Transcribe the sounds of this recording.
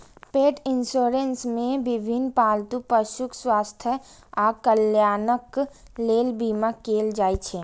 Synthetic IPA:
peːʈɪnsoːɾensmẽbɪbʱinpaːlt̪upəʃukswaːst̪ʰjə | aːkəljaːnək | leːlbiːmakeːld͡ʒaːit͡ʃʰe

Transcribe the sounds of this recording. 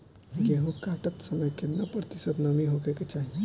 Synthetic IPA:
ɡeɦõkaʈət̪səməjkʰenəpɾət̪isət̪nəmiɦokeket͡ʃaɦi

